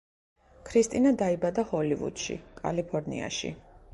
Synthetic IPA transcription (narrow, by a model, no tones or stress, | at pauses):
kʰɾist̪ʼinad̪aibad̪ahɔlivṵd̪̥ʃḭkʼa̰lipʰɔɾnḭa̰ʃḭ